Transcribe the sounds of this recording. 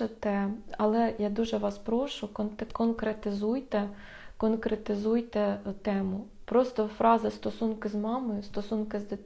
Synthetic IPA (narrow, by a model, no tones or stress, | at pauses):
et̪ɛɐlˠɛjad̪uʒɛʋɑspɾɔʃʊkɔnt̪ɛkɔnkɾet̪ɪzujt̪ɛ | kɔnkɾet̪ɪzujt̪ɛt̪ɛmʊ | pɾɔst̪ɔfɾɑzɪst̪ɔsunkɪzmɑmojʊst̪ɔsunkɪzd̪ɪ